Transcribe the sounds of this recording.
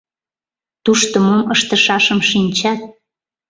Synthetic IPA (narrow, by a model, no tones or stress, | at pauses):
t̪uʃt̪əmoməʃt̪əʃɑʃəmʃinʲt͡ɕɑt̪̚